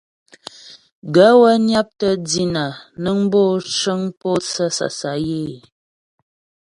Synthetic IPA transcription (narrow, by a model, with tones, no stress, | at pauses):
ɡə˨˦wə˦nja˦p̚tə˦d͡zi˦na˨nə˦ŋ˦bo˦˨t͡ʃə˦ŋpo˦t͡sə˦sa̰˨sa˨˦je˦˨